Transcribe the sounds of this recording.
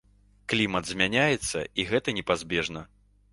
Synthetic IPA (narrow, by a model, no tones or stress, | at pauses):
klʲimɐt̪zʲmʲanʲajɛt̪sːɐ̰iɣɛt̪ɐnʲɛpazʲbʲɛʐnɐ